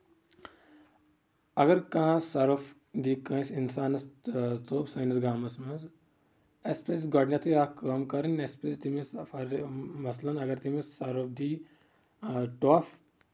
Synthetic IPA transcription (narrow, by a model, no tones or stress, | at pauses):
ɐɡɐɾkãːsɐɾɐf | d̪iːkɐ̃isinsaːnɐst͡soːbsɐjnɐsɡaːmɐsmɐz | espɾesɡoːɖnʲjɐt̪ʰiaːkɐːmkɐɾinʲespɾest̪imisfɐɾmɐslɐnɐɡɐɾt̪imisːɐɾɐfd̪iː | ʈoːf